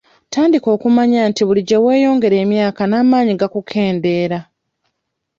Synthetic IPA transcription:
taːndiko̞ːkumaɲaːntiβuliɟewe̞ːjo̞ːŋɡe̞ɾe̞ːmjaːkanaːmaːɲiɡakukʰe̞ːnde̞ːɾa

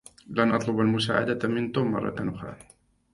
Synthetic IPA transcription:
lanʔɑt̪ˤlʊbalmʊsa̰ːʕa̰d̪amɪnt̪umːɑ̰rˤːɑ̰t̪anʔʊxɾˤɑ̰ː

